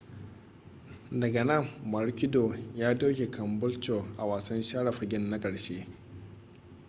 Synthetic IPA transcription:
dɐ˨ɡɐ˨nɐ˦˨mːɐ˨ɾkʲɪ˦do˨jaː˦doː˦kʲe˨kʰɐ˨mbʊ˦lt͡ʃo˨ʔa˨waː˨sɐ˦nʃaː˦ɽa˨ɸɐ˨ɡʲɪ˦nːa˦kʼɐ˨ɽʃeː˦

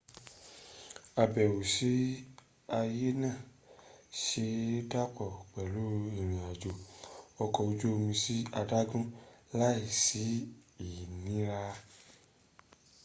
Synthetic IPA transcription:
a˧bɛ˨wu˨si˨˦ | a˧je˦nã˦˨ | ʃe˧˦da˦k͡pɔ˨k͡pɛ˨lo˨˦i˨ɾ̃ĩ˨a˨d͡ʒo˨ɔ˧kɔ˧o˧d͡ʒo˦o˧mĩ˧si˦a˧da˦ɡũ˦la˦i˦˨si˨˦i˨nĩ˨˦ɾa˧

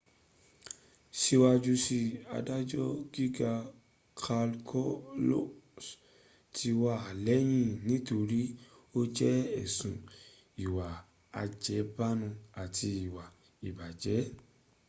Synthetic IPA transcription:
ʃi˧wa˧d͡ʒu˧si˧a̰˧da˦d͡ʒɔ˦ɡi˦ɡa˧ | kʰa˧lkʰɔ˦lo˦s | tʰi˧wa˧a˨lɛ˨˦j̃ĩ˦˨nĩ˨˦to˧ɾi˦ | o˦d͡ʒɛ˦ɛ˦˨sũ˨ | i˨wa˨ | a̰˧d͡ʒɛ˨˦ba˦nũ˧a˨tʰi˧i˨wa˨ | i˨ba˨d͡ʒɛ˨˦

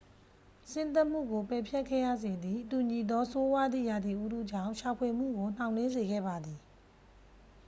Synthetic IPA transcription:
sɪ̃˦nt̪̬a˦ʔm̥ṵ˦˨ɡo˨pɛ˨pʰjɛ˦kʰːɛ̰˦˨ja̰˦˨ze˨d̪ði˨tu˨ɲi˨d̪ɔ˦so˦wa˦d̪ðḭ˦˨ja˨d̪i˨ʔu˦dṵ˦˨d͡ʑã̰˦˨ʊ̃ʃa˨pʰwe˨m̥ṵ˦˨ɡo˨n̥ã˨ʊ̃nlɪ̃˦nze˨ɡɛ̰˦˨ba˨d̪ði˨

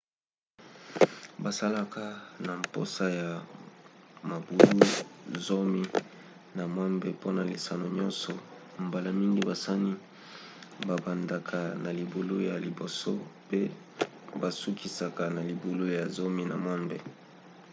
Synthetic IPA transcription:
ba˨sa˦la˦ka˦na˨mpo˦sa˦ja˨ | ma˨bu˨lu˦zo˦mi˦ | na˨mwa˦mbe˨po˦na˨li˨sa˨no˨ɲɔ˦nsɔ˨ | mba˨la˦mi˦ŋɡi˦ba˨sa˦ni˦ | ba˨ba˨nda˨kʰa˨na˨li˨bo˨lo˦ja˨li˨bo˨so̰˦pe˦ | ba˨su˦kʰi˨sa˨ka˨na˨li˨bo˨lo˦ja˨zo˦mi˦na̰˨mwa˦mbḛ˨

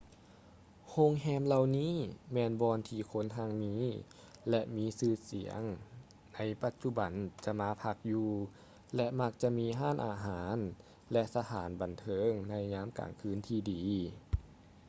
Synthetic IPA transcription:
ho˧˥˨ŋɦɛː˧˨mla˧wniː˥˨mɛː˧nbɔː˧nt̪ʰiː˧kʰo˧˥˨nt̪ʰa˧ŋmiː˧˥ | lɛ˧ʔmiː˧˥sɯː˧˩sḭ˨˩˦əŋ | na˧˥jpa˧˦t̪̚t͡ɕu˧ba˨˩nt͡ɕa˧ʔmaː˧˥pʰa˧k̚juː˧˩ | lɛ˧ʔma˧˥k̚t͡ɕa˧miː˧˥ɦaː˥˨nʔa̰ː˨˩ɦaː˨˩˦n | lɛ˧ʔsa˧t̪ʰaː˩˦nba˨˩nt̪ʰɤː˧˥ŋna˧˩jɲaː˧˥˨mka̰ː˨˩ŋkʰɯː˧˥˨nt̪ʰiː˧diː˨˦

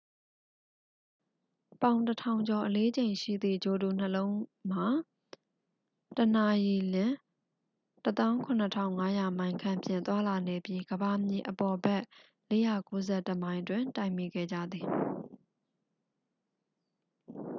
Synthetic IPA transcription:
pã˨ʊ̃ntətʰã˨ʊ̃ɲd͡ʑɔ˨ʔəle˦d͡ʑẽ˨ɪ̃ʃḭ˦˨d̪ðḭ˦˨d͡ʑo˨du˨n̥əlõ˦ʊ̃m̥a˨ | təna˨ji˨lɪ̃˦˨ | tət̪ã˦ʊ̃kʰʊ̃˨n̥ə˨tʰã̰˦˨ʊ̃ŋa˦ja˨mã˨ɪ̃ŋkʰã˨mpjɪ̃˨t̪wa˦la˨ne˨pji˦ɡəba˨mjḭ˨ʔəpɔ˨bɛ˦ʔ | le˦ja˨ko˦zɛ˦˨təmã˨ɪ̃ntwɪ̃˨nta˨ɪ̃mi˦˨ɡɛ̰˦˨d͡ʑa̰˦˨d̪ði˨

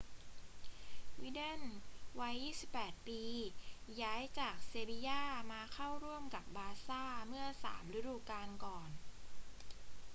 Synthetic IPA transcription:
wiː˦˧˥de˥˩nwa˦˥jːiː˥˩si˨˩pːɛː˨˩t̪̚piː˧jaː˦˥jt͡ɕaː˨˩k̚se˧bi˧jaː˥˩maː˧kʰa˥˩wɾu˥˩əmka˨˩p̚baː˧saː˥˩mɯ˥˩ɐsa̰ː˩˦mɾɯ˦˥duː˧kaː˧nkɔː˨˩n

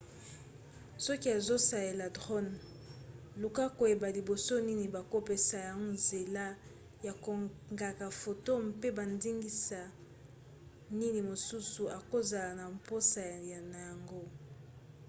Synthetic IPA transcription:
sɔ˦ki˦a˨zo˦sa˨je˨la˨dʁo˦n | lu˨ka˦ko˨je˨ba˨li˨bo˨so˦ni˦ni˨ba˨ko˦pe˦sa˨ja˨ŋo˦nze˨la˦ | ja˨ko˨ŋɡa˨ka˨fo˨to˦mpe˦ba˨ndi˦ŋɡi˦sa˨ | ni˦ni˨mo˨su˦su˨ʔa˨ko˦za˨la˨na˨mpo˦sa˨ja˨na˨ja˨ŋɡo˦

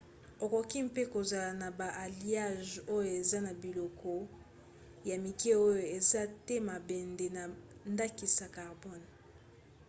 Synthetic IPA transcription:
o˨ko˨ki˦m˦pe˦ko˨za˨la˨na˨ba˨ʔa˨li˨a˦ʒo˦jo˨e˨za˦na˨bi˨lo˨kɔ˦ | ja˨mi˨ke˦o˦jo˨e˨za˦te˦ma˨bɛ˨nde˨na˨nda˦ki˨sa˨ka˨ʁbɔ˦n

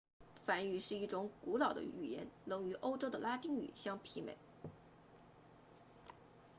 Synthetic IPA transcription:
fa˧˩ny˨˩ʂɻ̩˥˧i˥˩ʈ͡ʂʊ˧˥ŋku˧˥lɑ˨˩ʊd̪ə̰˦y̰˨˩jɛ̰˧˥nlɤ˧˥ŋy˧˥ʔo˥ʊʈ͡ʂo˥ʊd̪ə˨la˥t̪i˥ŋy̰˨˩ɕjɑ˥ŋpʰi˧˥mḛ˨˩˦ɪ

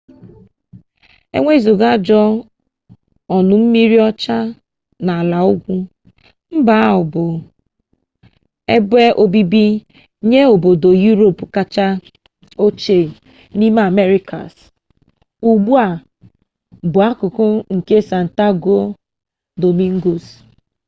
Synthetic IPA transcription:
ḛ˦ŋʷe˦zo˨ɡa˦˨d͡ʒɔ˦ | ɔ˨nʊ˨m̩˦mi˦ɾi˦ɔ˦t͡ʃa˦ | na˨a˨la˨ʊ˦ɡʷu˦ | m̩˦ba˨a˦ʊ˨bʊ˨ | e˦be˦ʔo˨bi˦bi˦ | ɲe˦o˨bo˨do˨ju˦ɾo˨pka˨t͡ʃa˦ | o˦t͡ʃe˨ | ni˦m˦a˨me˦ɾi˦kʰa̰˨s | u˨ɡ͡bu˦a˨ | bʊ˨a˦kʊ˨kʊ˦ŋ̩˨ke˦sa˨n̩˨ta˦ɡo˦ | do˨mi˦ŋ̩˦ɡo˨s

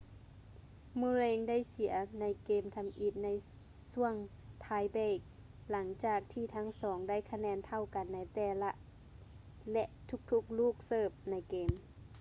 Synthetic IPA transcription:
muː˧˦leː˧ŋda˥˨jsi˨˩˦ɐna˧˥jkeː˧˩mt̪ʰa˧mʔi˧˩t̪̚na˧˥j | su˧˩˨əŋ | t̪ʰaː˧˥jbɛː˧˥˩k̚ | la˩˦ŋt͡ɕaː˨˩k̚t̪ʰiː˧˩t̪ʰa˦˧˥ŋsɔː˩˦ŋda˥˨jkʰa˧nɛː˧˥˨nt̪ʰa˧˨wka˨nːa˧˥jt̪ɛː˧˩la˧ʔ | lɛ˧ʔt̪ʰu˧˥k̚t̪ʰu˧k̚luː˥˩k̚sɤː˧˩p̚na˧˥jkeː˧˩m

